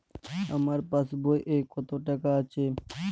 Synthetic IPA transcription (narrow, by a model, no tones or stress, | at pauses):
a̰maɾpasbojʔekɔt̪oʈakaat͡ʃʰe